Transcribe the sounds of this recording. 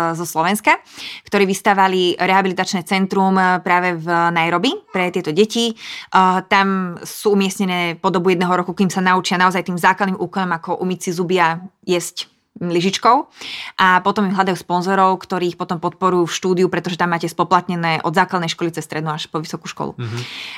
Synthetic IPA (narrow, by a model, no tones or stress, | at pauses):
zɔslɔʋɛnskakt̪ɔɾɛːʋist̪aːʋaliɾɛɦabilit̪at͡ʃnɛːt͡sɛnt̪ɾumpɾaːʋɛvnajɾɔbipɾɛt̪ɪɛt̪ɔɟɛci | t̪amsuːumɪɛsɲɛnɛːpɔd̪ɔbujɛd̪nɛːɦɔɾɔkukimsanaut͡ʃɪanaɔzajt̪iːmzaːklad̪niːmʔuːkɔnɔmakɔʔumit͡sizubɪa | jɛzc | liʒit͡ʃkɔʊʔapɔt̪ɔmimɦlad̪ajuːspɔnzɔɾɔʊkt̪ɔɾiːixpɔt̪ɔmpɔt̪̚pɔɾujuːfʃt̪uːd̪iupɾɛt̪ɔʒɛt̪amːaːcɛspɔplat̪ɲɛnɛːʔɔd̪zaːklˠad̪nɛjʃkɔlitt͡sɛsːt̪ɾɛd̪nuːaʃpɔʋisɔkuʃkɔ̰lṵ